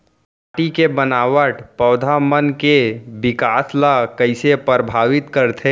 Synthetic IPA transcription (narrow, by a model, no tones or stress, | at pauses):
paʈikebənaːʋəʈpɔːd̪ʱamənkebɪkaːslakɐɪsepəɾbʱaːʋɪt̪kəɾt̪ʰe